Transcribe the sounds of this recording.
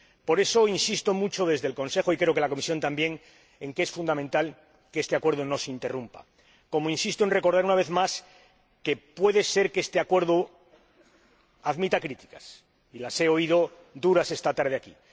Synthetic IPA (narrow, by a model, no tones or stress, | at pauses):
po̞ɾe̞so̞insist̪o̞mut͡ʃo̞ðe̞zðe̞lko̞nse̞xo̞ikɾe̞o̞ke̞lako̞misjo̞nt̪ambje̞ŋ | e̞ŋkesfund̪amẽ̞nt̪al | keest̪e̞akwe̞ɾð̞ono̞seint̪e̞rumpa̰ | ko̞moinsist̪oe̞nre̞ko̞ɾðaɾunaβe̞θmas | ke̞pwe̞ðe̞se̞ɾkest̪eakwe̞ɾð̞o | aðmit̪akɾit̪i̥kas | ilase̞o̞iðo̞ | d̪uɾase̞st̪at̪aɾð̞eaki